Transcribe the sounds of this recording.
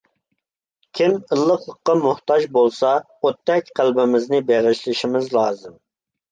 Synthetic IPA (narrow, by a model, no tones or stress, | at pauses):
kʲʰiməlˠːəqlˠəqːɑmʊht̪ɑd͡ʒbolˠsɑ | ot̪ʰːɛkʲqʰælbɪmɪznɪbeʁɪʃlɪʃimɪzlˠɑːzɨm